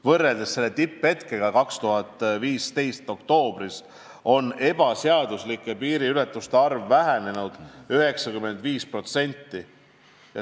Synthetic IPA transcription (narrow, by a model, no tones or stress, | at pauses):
vɤrːe̞ld̪̥esːe̞lːet̪ipːe̞t̪ke̞ɡ̥ɑkɑkst̪uɦɑt̪ːˑviːst̪e̞jst̪o̞kt̪o̞ːb̥ris | o̞ne̞b̥ɑseɑd̪̥uslikːˑe̞piːɾiylet̪ːˑust̪eɑrvːæɦæne̞nud̪̥yɦe̞ksɑkymːe̞nd̪̥viːspro̞t̪se̞nʲt̪ːi | jɑ